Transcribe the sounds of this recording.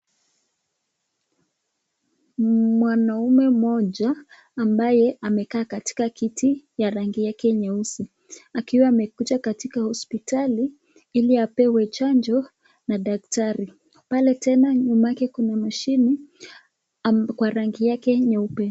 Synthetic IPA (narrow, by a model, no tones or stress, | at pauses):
mwanaumɛmɔʄaː | mbajɛʔamɛkaːkati̥kakitʰijaɾaŋɡijakɛɲausi | akiwaːmɛkut͡ʃakatikahɔspitali | iliapɛwɛt͡ʃand͡ʒɔ | naɗak̚taɾi | palɛtɛnaɲumajakɛkunamaʃini | kwaɾaŋɡijakɛɲaupɛ